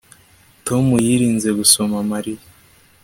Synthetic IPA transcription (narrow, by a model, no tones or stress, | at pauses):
to̞mujiɾiːnze̞ɡuso̞mamaɾija